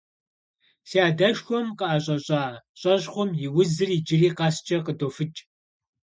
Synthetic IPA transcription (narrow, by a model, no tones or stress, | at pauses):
siaːdɐʃxʷɔmqəaːɕʼɐɕʼaːɕʼɐʑχʷʊmjɪwʊzɨriːd͡ʒɪriːqɑːst͡ʃʼɐqədoːfɨt͡ʃʼ